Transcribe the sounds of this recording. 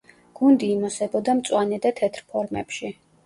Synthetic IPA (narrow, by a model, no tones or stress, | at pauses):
ɡ̥und̪iːmɔsɛbɔd̪amt̪sʼwanɛd̪at̪ʰɛt̪ʰɾpʰɔɾmɛ̰pʃi